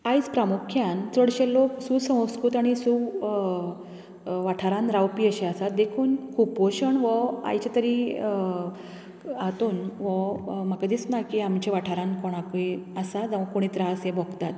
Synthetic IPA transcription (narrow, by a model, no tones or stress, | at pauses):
ajt͡spɾamukʰjant͡səɽɕeloksusə̃w̃skut̪aɽ̃isu | ʋaʈʰaɾãnɾawpiːəɕeasat̪d̪ekʰuːnkʰuːpoɕəɳʋəa̰jt͡ɕet̪əɾi | at̪uːnʋɔmakad̪it͡snajkiamt͡ɕeʋaʈʰaɾãnkɔɽ̃akuiəsad͡zaʋãkoɽ̃ĩt̪ɾaəsẽbʱɔɡt̪at̪